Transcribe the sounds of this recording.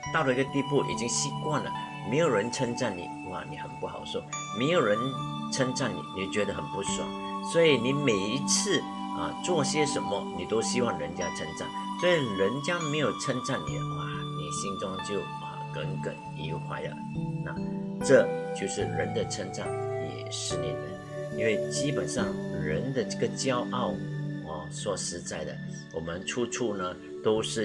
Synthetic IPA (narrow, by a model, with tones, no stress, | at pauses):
t̪ɑ˥˩ʊlə˩i˥ɡə˧t̪i˥˧pu˥˩ʔḭ˨˩t͡ɕi˦˥ŋɕi˥kwa˥˩nlə̰˩ | me˧˥ɪjo˨˩ɻə˧˦nt͡sʰə˥ŋt͡sa˥˩nnḭ˨˩˥a̰˥˨˩ni˨˩xə˨˩npu˥˩xɑ˨˩ʊʂo˥˩me˧˥ɪjo˨˩ʊɻə˧˦nt͡sʰə˥ŋt͡sa˥˩nnḭ˨˩ni˨˩t͡ɕɥɛ˧˥d̪ə˨xə˨˩npu˥˩ʂwa̰˨˩˦ | swɔ˧˥i˨˩ni˨˥me˨˩ɪi˧˥t͡sʰɹ̩˥˨ | ɐ̰˧t͡swɔ˥˩ɕjɛ˥ʂə˧˥nmə˧ni˨˩t̪o˥ʊɕi˥wɑ˥˩ŋɻə˧˦nt͡ɕja˥t͡sʰə˥ŋt͡sa̰˥˩nswɔ˧˥i˨˩ɻə˧˥nt͡ɕja˥me˧˥ɪjo˨˩ʊt͡sʰə˥ŋt͡sa˥˩nnḭ˨˩ə˩a̰˨˩ | nḭ˨˩ɕi˥ŋt͡sʊ˥ŋt͡ɕjo˥˨ʊ | ə̰˨˩kə˧˦nkə̰˨˩˦n | i˧˥xʰwa̰˧˥ɪlə̰˨ | na̰˥˧˨ʈ͡ʂɤ˥˧t͡ɕjo˥˧ʊʂɻ̩˥˩ɻə̰˧˥nd̪ə˨t͡sʰə˧˥ŋʈ͡ʂa˥˩ŋjɛ̰˨˩ʂɻ̩˥˩nḭ˨˩d̪ | i˥nwe˥˩ɪt͡ɕi˥pə˨˩nʂɑ˥˩ŋɻə˧˥nd̪ə˨ʈ͡ʂə˥˩ɡə˨t͡ɕjɑ˥ʊʔɑ˥˩ʊə˨swɔ˨˩ʂɻ̩˧˥t͡sa˥˩ɪd̪ə̰˩ | wɔ˨˩mə˧˦nʈ͡ʂʰu˥ʈ͡ʂʰu˥˩nə˩ | t̪o˥ʊʂɻ̩˥˩